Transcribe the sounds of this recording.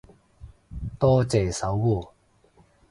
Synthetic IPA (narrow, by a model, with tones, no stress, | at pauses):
t̪ɔː˥t͡sɛː˨sɐ˨˥wwuː˨˩